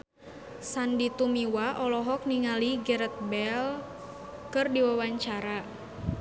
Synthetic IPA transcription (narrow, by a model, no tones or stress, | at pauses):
sandit̪umiwaʔɔlɔɦɔk̚niŋaliɡɛɾət̪̚bɛl | kɨrdiwawaɲt͡ʃaɾa